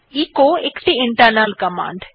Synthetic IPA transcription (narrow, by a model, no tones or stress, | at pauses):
iːkoːekʈiiɳʈɐɾnalkɐmã̰ːɳɖ